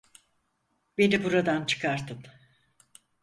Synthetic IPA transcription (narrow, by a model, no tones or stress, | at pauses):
be̞nibuɾad̪ant͡ʃʰɯ̥kʰaɾt̪ʰɯm